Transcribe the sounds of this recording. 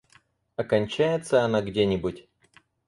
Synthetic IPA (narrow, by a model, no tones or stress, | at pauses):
ɐkɐnʲt͡ɕæjɪt̪səɐnaɡdʲenʲɪbʊtʲ